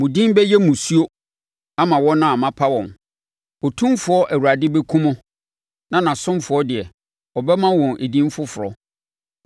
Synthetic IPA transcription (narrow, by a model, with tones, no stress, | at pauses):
mũ˨dĩ˦m˦bɛ˦jɛ˦mũ˨su˦o˦ | a˦mã˨wɔ̃˦nã˦a˨mã˦pʰa˦wɔ̃˨n | o˨tʰũ˦mfʊ˨˦ɔ˦ʔæ˨wu˨ɾa˨dɪ˦be˦kʰũ˦mʊ̃˦ | nã˨nã˨sʊ̃˦mfʊ˨ɔ˦dɪ˨ɛ˨ | ɔ˨bɛ˦mã˦wɔ̃˨nʔe˨dĩ˦m˦fʊ˦fʊ˨ɾɔ̰˦